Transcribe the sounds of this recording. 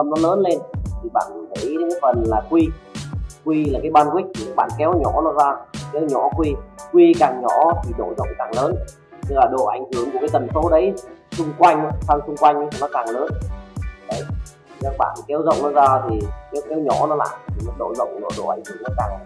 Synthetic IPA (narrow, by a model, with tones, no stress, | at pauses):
ə˧mnɔ˨˦ləː˨˦nle˧nt̪ʰi˨˩ɓa̰ː˧˨nt̪ə̰˧˥˦jə˨˦kaː˨˦jfə˨˩nlaː˨˩kwi˧ | kwi˧laː˨˩kaː˨˦jɓaː˧nkwi˦˥k̟̚t̪ʰi˨˩kaː˦˥k̚ɓa̰ː˧˨nkɛ˨˦wɲɔ˧˥nɔ˨˦zaː˧˨˩kɛ˨˦wɲɔ̰˧˥kwi˧kwi˧kaː˨˩ŋɲɔ˧˩˥t̪ʰi˨˩ɗo̰˧˨zə̰˧˨wŋ͡mkaː˨˩ŋləː˨˦n | t̪ɨ˧laː˨˩ɗo̰˧˨ʔa̰˧˩jŋ̟hɨ˧˩əŋku˨˩kaː˨˦jt̪ə˨˩nso˨˦ɗə˨˦jsʊ˧ŋ͡mkwa˧jŋ̟˨˦sʰaː˧nsʊ˧ŋ͡mkwa˧jŋ̟˧˦˨nɔ˨˦kaː˨˩ŋləː˨˦nɗə˨˦jʰ | i˨˩kaː˦˥k̚ɓa̰ː˧˨nkɛ˨˦wzə̰˧˨wŋ͡mnɔ˨˧˦zaː˧t̪ʰi˨˩kɛ˨˦wkɛ˨˦wɲɔ˧˩˥nɔ˨˦la̰ː˧˨jt̪ʰi˨˩nɔ˨˦ɗo̰˧˨zə̰˧˨wŋ͡mɗo̰˧˩ɗo̰˧˩ʔa˨˩jŋ̟hɨ˧˩əŋnɔ˨˦kaː˨˩ŋ